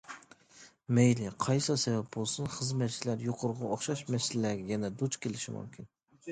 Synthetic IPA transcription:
mejlɪqʰɑjsɑsɛvɛp̚bolˠsunχəzmɛt̪t͡ʃʰilæɾjoqʰʊɾʁɑoχʃɑʃmɛsɪlɪæːɡʲɛjɛnɛd̪ut͡ʃkʲelɪʃḭmṵmkʲʰin

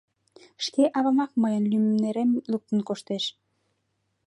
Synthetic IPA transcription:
ʃkeʔɑβɑmɑk̚mɤjənlymɘmneɾemluk̚t̪ə̆nkoʃt̪eʃ

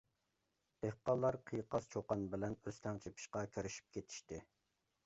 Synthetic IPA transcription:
d̪̥ehqɑlˠːɑɾqʰijqɑst͡ʃʰoqɑnbɪlɛnøst̪ʰɛŋt͡ʃʰepʰi̥ʃqɑkʲʰøɾyʃi̥p̚kʲʰet̪ʰi̥ʃt̪ɪ

